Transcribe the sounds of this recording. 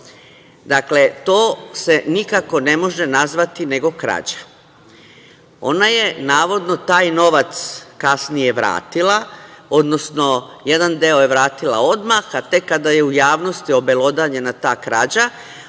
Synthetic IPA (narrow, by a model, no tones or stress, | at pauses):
d̪akle̞t̪o̞ːse̞nikako̞ne̞mo̞ʒenazʋat̪ine̞ɡo̞kɾa̰d͡ʑḁ | o̞̰naje̞naːʋo̞d̪no̞t̪aːjno̞ʋat̪skasnije̞ʋɾa̰ːt̪ilao̞d̪nosno̞je̞d̪and̪eojeʋɾaːt̪ila̰o̞d̪maxat̪e̞kːad̪aje̞ujaːʋno̞st̪io̞be̞lˠo̞d̪aɲe̞nat̪aːkɾa̰d͡ʑa